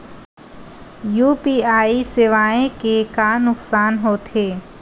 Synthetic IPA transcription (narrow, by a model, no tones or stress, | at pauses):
juːpiaːisɪʋaːẽkekanʊksaːnɦoːt̪ʰeː